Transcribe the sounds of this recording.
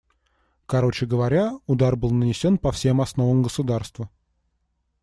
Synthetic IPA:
kɐɾo̞t͡ɕɪɡəvɐɾʲaʊd̪arbɨlˠnənʲɪsʲo̞npɐfsʲe̞mɐsno̞vəmɡəsʊd̪arst̪və

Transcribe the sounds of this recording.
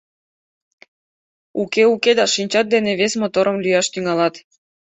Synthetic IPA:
ukeuked̪ɑʃinʲt͡ɕɑt̪̚d̪eneβesmot̪oɾəmlyjɑʃt̪yŋɑlɑt̪

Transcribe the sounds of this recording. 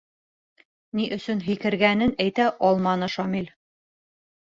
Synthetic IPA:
niʔɵ̆sɵnɦikɘ̆ɾɡænɘnæjt̪æʔɒlˠmɑnɤʃɑmilʲ

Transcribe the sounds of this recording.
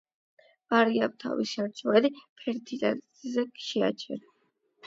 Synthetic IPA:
vaɾiap̚t̪ʰa̰vḭsʃaɾt͡ʃʰɔɛd̪ipʰɛɾt̪ʰit̪ʼɛ | zɛʃɛa̰t͡ʃʰɛ̰ɾa

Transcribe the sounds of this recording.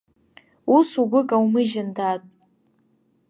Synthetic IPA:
usuɡʷʊkʼawmɨʒɪndatʼ

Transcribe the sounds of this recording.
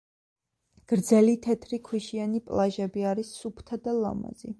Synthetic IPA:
ɡ̥ɾd̪zɛlit̪ʰɛt̪ʰɾikʰwiʃianipʼlˠaʒɛbiaɾisːupʰt̪ʰad̪alˠa̰ma̰zḭ

